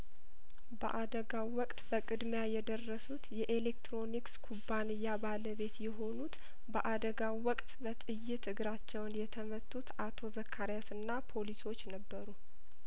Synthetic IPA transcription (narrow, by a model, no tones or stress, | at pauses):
bə̰ʔad̪əɡawːɔkʼt̪ʼbəkʼɨd̪mjajɛd̪ərːəsut̪jɛʔelekt̪ɾo̞nikskʰubːanɨjːabaləβe̞t̪jɛɦo̞nut̪ | bəʔad̪əɡawwɔkʼt̪ʼbət̪ʼɨjːɪt̪ʰɨɡɨɾat͡ʃːɛwnjɛt̪ʰəmət̪ʰʼːut̪at̪ʰo̞zəkʰːaɾjasɨnːapʰo̞liso̞t͡ʃːnəbːəɾu